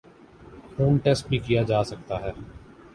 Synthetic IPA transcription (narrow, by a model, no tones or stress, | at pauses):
fʰoːnʈɛːsʈ̚bʱikijad͡ʒaːsɐk̚t̪aɦɛː